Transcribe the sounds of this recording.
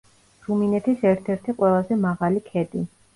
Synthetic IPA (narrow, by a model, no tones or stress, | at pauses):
ɾuminɛt̪ʰisɛɾt̪ʰɛɾt̪ʰiqʼwɛlˠazɛmaʁalikʰɛd̪i